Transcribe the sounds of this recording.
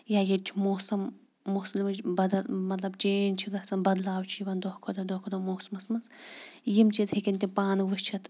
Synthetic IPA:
jajɐt͡ʃʰmoːsɐmː | uslimɐbɐd̪ɐlmɐt̪lɐbt͡ʃeːnʲt͡ʃʰiɡɐsɐnbɐd̪laːwt͡ʃʰijiʋɐnd̪ohkʰod̪ɐd̪okʰod̪ɐmoːsmɐsmɐnsjimt͡ʃizhekʲint̪ʲipaːnʋɨʃt͡ʃʰɐt̪

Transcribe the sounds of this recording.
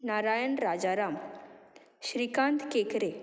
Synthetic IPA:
naɾajənɾad͡zaɾam | ɕɾikant̪kekɾe

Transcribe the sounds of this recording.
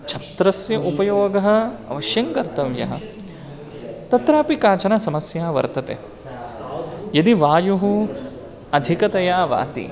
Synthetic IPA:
t͡ʃʰɐt̪ɾɐsjɐʔupɐjoːɡɐɦɐ̆ɐ̰ʋɐʃjɐŋkɐɾt̪ɐʋjɐ̰ɦɐ̰ | t̪ɐt̪ɾaːpikaːt͡ʃɐnɐsɐmɐsjaːʋɐ̰ɾt̪ɐt̪ḛː | jɐd̪iʋaːjuɦu | ɐd̪ʱikɐt̪ɐjaːʋa̰ːt̪ḭ

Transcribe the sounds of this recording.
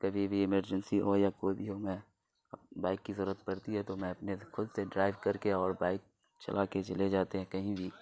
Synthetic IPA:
kɐbʱibʱiɪməɾd͡ʒənsiɦojakoːibʱiɦomɛ̃ | baːɪkːizəɾuɾət̪̚pɐɾt̪iɦɛt̪omɛ̃ɐpnexʊd̪seɖɾaːɪʋkɐɾkeɔːɾbaːɪk̚ | t͡ʃɐ̰lʔaːket͡ʃɐled͡ʒaːt̪eɦɛ̃kɐɦĩbʱi

